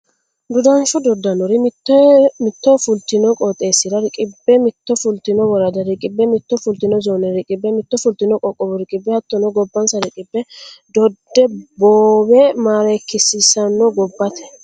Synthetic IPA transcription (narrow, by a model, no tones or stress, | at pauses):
d̪ʊd̪ɐnʃɔd̪ɔd̪ːɐnɔɾɪmɪt̪ːɔmɪt̪ːɔfʊlt̪ɪnɔkʼɔt̪ʼːe̞ːsːɪɾɐɾɪkʼɪbːɛmɪt̪ːɔfʊlt̪ɪnɔwɔɾɐd̪ɐɾɪkʼɪbːɛmɪt̪ːɔfʊlt̪ɪnɔzoːnɛɾɪkʼɪbːɛmɪt̪ːɔfʊlt̪ɪnɔkʼɔkʼːɔbɔɾɪkʼɪbːɛhɐt̪ːɔnɔɡɔbːɐnsɐɾɪkʼɪbːɛd̪ɔd̪ːɛboːbɛmaːɾekːɪsɪsɐnːɔɡɔbːɐt̪ʰɛ̥